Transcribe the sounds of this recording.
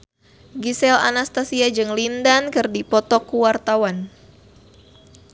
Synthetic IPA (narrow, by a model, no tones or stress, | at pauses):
ɡisɛla̰nast̪asiad͡ʒɨŋlindankɨrdipɔt̪ɔkuwart̪awan